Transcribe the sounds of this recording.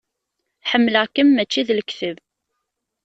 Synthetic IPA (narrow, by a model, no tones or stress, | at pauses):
ħəmːləʁkəmːæt͡ʃːiðlkθəv